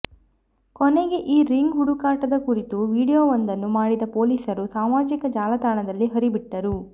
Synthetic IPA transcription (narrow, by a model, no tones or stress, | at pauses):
kɔneɡe̞ʔiːɾiŋɡɦuɽukaːʈɐd̪ɐkuɾit̪uʋiːɽijoːʋɐnd̪ɐnːumaːɽid̪ɐpo̞ːliːsɐɾusaːmaːd͡ʒikɐd͡ʒaːlɐt̪aːɳɐd̪ɐlːiɦɐɾibiʈːɐɾu